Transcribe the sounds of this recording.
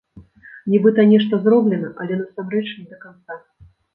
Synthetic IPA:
nʲibɨt̪ɐnʲɛʂt̪ɐzrɔblʲɛnɐʔɐ̰lʲɛnɐsamɾɛt͡ʂnʲid̪ɐkant̪sa

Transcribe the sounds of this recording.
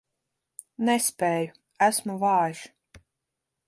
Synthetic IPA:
nɛspʲɛːju | æsmuvɑːʒ

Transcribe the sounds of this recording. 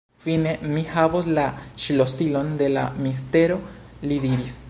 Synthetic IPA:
fine̞mihavoslaʃilo̞silo̞nd̪e̞la̰miste̞ɾo̞ | lid̪iɾis

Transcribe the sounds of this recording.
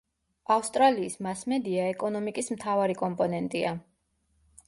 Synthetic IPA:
afst̪ʼɾaliːsmasmɛd̪iaɛkʼɔnɔmikʼismt̪ʰavaɾikʼɔmpʼɔnɛnt̪ʼia

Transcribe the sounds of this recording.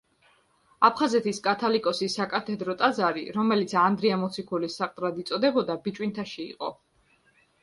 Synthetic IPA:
apʰχazɛt̪ʰiskʼat̪ʰalikʼɔsisakʼat̪ʰɛd̪ɾɔt̪ʼazaɾiɾɔmɛlit̪sʰand̪ɾiamɔt̪sʰikʰulisːaqʼt̪ʼɾad̪it̪sʼɔd̪ɛbɔd̪abit͡ʃʼwint̪ʰaʃḭːqʼɔ̰

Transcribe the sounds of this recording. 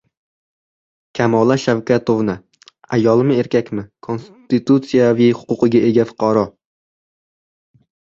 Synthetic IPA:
kʲʰamɒlˠaʃawkʲat̪ʰovnɪ | ajɒlˠɪmɪe̞ɾkʲakʲmɪkʰo̞nst̪it̪ut̪sijavijhʊ̥qʊqɨɡʲaʔe̞ɡʲafʊ̥qʰɑɾɒ

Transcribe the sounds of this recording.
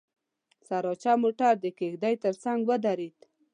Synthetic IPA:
saɾɑt͡ʃamoʈaɾd̪əkexd̪ajt̪əɾsaŋɡwəd̪aɾid̪

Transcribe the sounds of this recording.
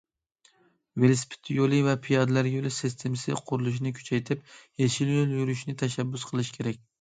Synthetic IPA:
velspʰɪ̥t̪ʰjolˠɨvɛpʰijɑd̪ɨlæɾjolˠɨsɪst̪ʰemɪsɪ̰qʰʊɾulˠuʃ̬inɪkʲʰy̥t͡ʃʰɛjt̪ʰɪp̚jeʃiljolˠjyɾyʃnɪt̪ʰɛʃɛbːʊsqʰəlˠɨʃi̥kʲʰeɾɛk̚ʲ

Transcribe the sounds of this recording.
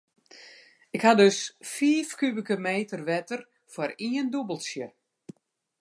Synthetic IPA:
ɪkhadøsfiːfkybəkəmeːtərʋɛtər | fwaɾiəndubəlˠsjə

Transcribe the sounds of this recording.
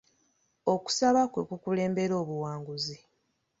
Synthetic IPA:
o̞ku̥saβakwe̞kukule̞ːmbe̞ɾo̞ːβuwaːŋɡuzi

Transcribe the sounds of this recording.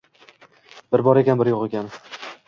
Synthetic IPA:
b̥ɪɾbɒɾekʲanbɪɾjoqekʲan

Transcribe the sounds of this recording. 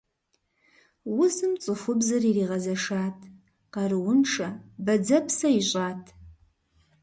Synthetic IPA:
wʊsɨmt͡sʼɨfʷʊbzɐririːʁɐzɐʂaːtʰʼ | qɐrɨwʊnʂɐbɐd͡zɐpʰsɐiɕʼaːtʼʰ

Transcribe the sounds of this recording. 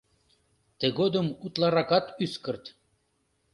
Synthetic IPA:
t̪ĕɣod̪ə̆mut̪lˠɑɾɑkɑt̪yskə̆rt̪

